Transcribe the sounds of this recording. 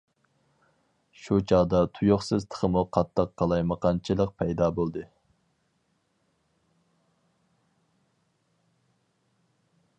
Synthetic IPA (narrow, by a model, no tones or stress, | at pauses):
ʃut͡ʃʰɑʁd̪ɑt̪ʰujoχsɨzt̪ʰə̥χʰəmuqʰɑt̪ʰːɑqʰːɑlˠɑjməqʰɑnt͡ʃʰilˠəq̚pʰɛjd̪ɑːbolˠd̪ɨ